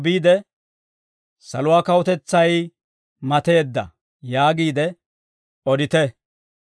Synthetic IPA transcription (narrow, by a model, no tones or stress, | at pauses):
biːd̪ɛ | sɐlʊwaːkɐwɔt̪ɛt͡sːɐj | mɐt̪eːd̪ːɐ̰ | jaːɡiːd̪ɛ | ɔd̪ɪt̪ɛ